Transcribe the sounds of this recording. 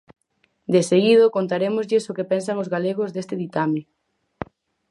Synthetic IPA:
d̪eseɣið̞okont̪aɾemozʎɪsokepɛns̬aŋozɣaleɣ̞ozd̪est̪ɪðit̪amɪ

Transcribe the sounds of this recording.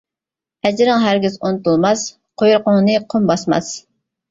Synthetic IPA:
ɛd͡ʒɾɪŋɦæɾɡʲizont̪ulˠmɑs | qʰojuɾqʊŋnɨqʰombɑsmɑ̰s

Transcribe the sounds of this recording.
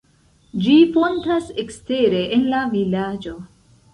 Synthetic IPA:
d͡ʒifo̞ntasekste̞ɾe̞ʔenlavilad͡ʒo̞

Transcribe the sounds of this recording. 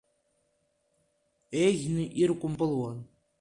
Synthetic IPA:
eɣʲnɨʔirkʷʼʊmpʼɨlwan

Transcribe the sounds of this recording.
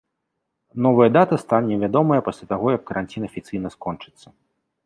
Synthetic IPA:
nɔvɐjɐd̪at̪ɐst̪anʲɛvʲad̪ɔmɐjɐpasʲlʲat̪aɣɔjɐkːɐɾanʲt͡sʲinɐfʲit̪sɨjnɐskɔnt͡ʂɨ̥t̪sːɐ

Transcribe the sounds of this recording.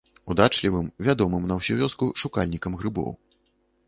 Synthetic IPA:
ud̪at͡ʂlʲivɨmvʲad̪ɔmɨmnɐwsʲuvʲɔskuʂukalʲnʲikɐmɣɾɨbɔ̰w

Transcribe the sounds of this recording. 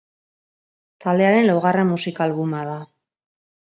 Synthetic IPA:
t̪ald̪e̞aɾe̞nlowɣare̞mːusikaːlβumaða

